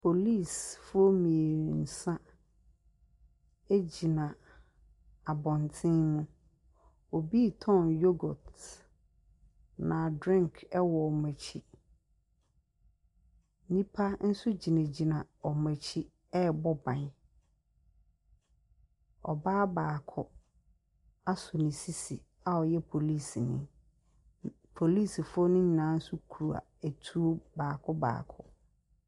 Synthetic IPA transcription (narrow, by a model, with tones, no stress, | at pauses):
pʰo˨li˦˨sfʊ˦o˦mĩ˨e˨n̩˨sã˦ | e˦d͡ʑi˨nã˨ | a˨bɔ̃˨ntʰɪ̃˦nnʊ̃˦ | o˨bi˦tʰɔ̃˦njo˦ɡɔ˨t | nã˨dɾɪ̃˦ŋkʰɛ˦wɔ˨ɔ˨mæ̃˨t͡ɕʰi˦ | nĩ˦pʰa˦n̩˦sʊ˦d͡ʑi˨nɛ̃˨d͡ʑi˨nã˨ɔ˨mɛ˨t͡ɕʰi˦ | ɛ˦bɔ˦bã˨n˦ | ɔ̰˨baː˦baː˨kʰʊ˦ | a˦sʊ˨nɪ̃˨si˦si˨ | a˨ɔ˨jɛ˦pʰo˨li˦˨si˨nɪ̃˦ | pʰo˨li˦˨si˨fʊ˦ɔ˦nɪ̃˦ɲ˨nãː˨˦n̩˦sʊ˦kʰu˨ɾu˨a̰˨æ˨tʰu˦o˦baː˨kʰʊ˦ba̰ː˨kʰʊ̰˦